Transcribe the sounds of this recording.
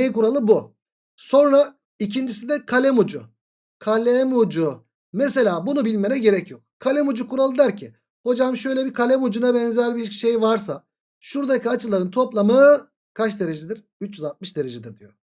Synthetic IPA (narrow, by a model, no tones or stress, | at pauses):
nejkuɾalˠɯbu | so̞nɾa | icʰind͡ʒisid̪ɛkʰalʲɛmud͡ʒʊ̰ | kʰalʲɛmud͡ʒu | mes̬e̞lʲaːbunubilʲmenɛɟe̞ɾɛcʰjo̞k̚kʰalʲɛmud͡ʒukuɾalˠɯd̪æɾcʰɪ | ho̞d͡ʒamʃø̞jlʲɛbikʰalʲɛmud͡ʒunabɛnzæɾbiɾʃe̞jvaɾsa | ʃuɾd̪acʰiat͡ʃʰɯlˠaɾɯnt̪ʰo̞plˠamɯ | kʰat͡ʃd̪e̞ɾed͡ʒid̪iɾ̥ | yt͡ʃjyzalˠt̪̚mɯʃd̪e̞ɾe̞d͡ʒid̪iɾd̪ijo̰